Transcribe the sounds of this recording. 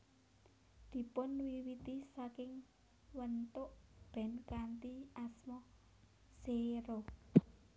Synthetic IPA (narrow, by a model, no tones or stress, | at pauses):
d̪̥i̤pʊnwiwit̪isakɪŋ | wənt̪ʊʔb̥ɛ̤nkant̪iasmɔ | seɾo